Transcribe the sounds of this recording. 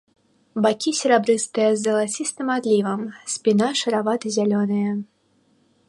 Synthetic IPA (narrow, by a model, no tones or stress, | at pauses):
bakʲisʲɪɾabɾɨst̪ɨjɐzːɐlˠat͡sʲist̪ɨmad̪lʲivɐmsʲpʲinaʂɐɾavat̪ɨzʲalʲɔnɨjɐ